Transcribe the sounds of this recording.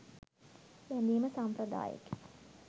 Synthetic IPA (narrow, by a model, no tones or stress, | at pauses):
ʋɛnd̪iːməsamprɐd̪a̰ːjə̰k